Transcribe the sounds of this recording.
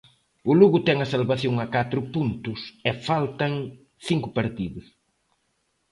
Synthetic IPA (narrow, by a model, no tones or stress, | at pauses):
ʊluɣʊt̪ɛŋɐsalβaθjoŋɐkat̪ɾʊpunt̪ʊsɛfalt̪ɐŋ | θiŋkʊpaɾt̪iðʊs